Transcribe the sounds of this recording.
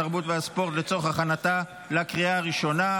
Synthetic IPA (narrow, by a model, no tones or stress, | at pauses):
aʁbut̪veaspo̞ʁt̪let͡so̞χhaχanat̪a | lakʁiaːʁiʃo̞na